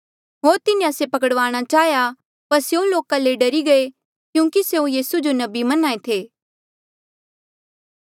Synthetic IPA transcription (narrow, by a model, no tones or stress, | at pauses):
ɦoːɾt̪ɪnĩasepɐkəɽʋaːɽ̃at͡ʃaːɦja | pɐɾsjeũloːkaleɖɐɾiɡɐe | kjũːkiseũjiːsud͡ʒonɐbimɐnaːet̪ʰeː